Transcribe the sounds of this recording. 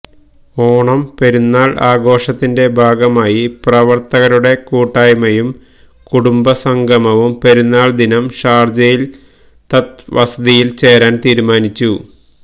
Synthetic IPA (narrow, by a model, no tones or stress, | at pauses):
oːɳɐmpeɾunːaːɭʔaːɡo̞ːʂɐt̪ːinde̞bʱaːɡɐmaːjiprɐʋɐrt̪ɐɣɐɾuɽe̞kuːʈːaːjmɐjum | kuɽumbɐsɐŋɡʱɐmɐʋumpeɾunːaːɭd̪inɐmʂaːrd͡ʑɐjil | t̪ɐt̪ʋʔɐsɐd̪ijilt͡ɕe̞ːɾaːnt̪iːɾumaːnit͡ɕːu